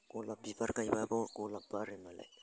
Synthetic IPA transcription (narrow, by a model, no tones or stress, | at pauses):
kulapipaɾkajbabokulapaɾimala̰